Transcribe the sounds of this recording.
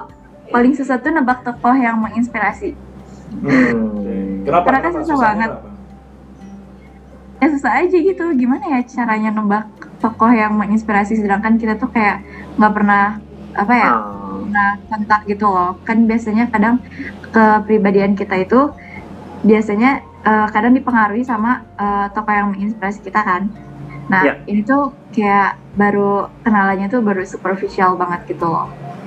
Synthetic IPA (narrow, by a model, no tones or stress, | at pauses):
palɪŋsəsat̪ːunəmbak̚t̪ɔkɔhjaŋməŋinspiɾasi | t̪əɾanasəsabaŋət̪̚ | jasəsat̪ad͡ʒaɡit̪uɡimanajat͡ʃaɾaɲanəbak̚t̪ɔkɔhjaŋməŋinspiɾasis̬ədaŋkankit̪at̪ukajaʔŋɡaʔpərnah | ʔa̰pajaŋahkɔnt̪ak̚ɡit̪ulɔhkanbiasaɲakadaŋkəpɾibadiankit̪ait̪u | biasaɲa | ʔəkadaŋdipəŋaɾuisamaət̪ɔkɔhjaŋməŋinspiɾasi̥kit̪akanː | ahinit̪u | kajaʔ | baɾukənalaɲat̪ubaɾusupərfisialbaŋət̪̚ɡit̪ulɔ̰h